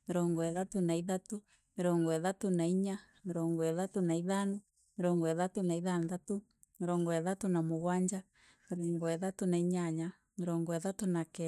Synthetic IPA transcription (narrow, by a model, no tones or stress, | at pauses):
meɾɔŋɡɔɛðatonaiðato | meɾɔŋɡɔɛðatonaiɲa | meɾɔŋɡɔɛðatonaiðanɔ | meɾɔŋɡɔɛðatonaiðanðatu | meɾɔŋɡɔɛðatonamoɣwaɲd͡ʒa | meɾɔŋɡɔɛðatonaiɲaɲa | meɾɔŋɡɔɛðatonakɛ